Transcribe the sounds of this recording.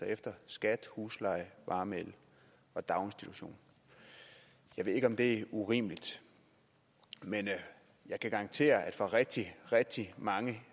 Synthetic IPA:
efd̥ɐsɡ̥æd̥huːslɑ̈ɪʋɑ̈ːmel | ɒ̽d̥ɑ̈ʊnsd̥it͡sʰuɕo̝̰ːn | jɑ̈e̝ðˠe̝ɡ̥ɒ̽md̥e̝æʔuʁḭːməlid̥ | men | jɑ̈ɪkʰæɡ̥ɑ̈ɑ̈ŋnt͡sʰe̝̰ːɐæd̥fɒ̰ʁɛɡ̥̚d̥iʁɛɡ̥̚d̥imɑ̈ŋə

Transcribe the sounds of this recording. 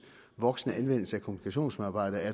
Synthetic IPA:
ʋɒ̽ɡ̥snəænʋen̰l̩səækʰomunikʰæɕo̝̰ːnsmeðˠɑ̈b̥ɑ̈ɪ̰d̥ɐæɐ

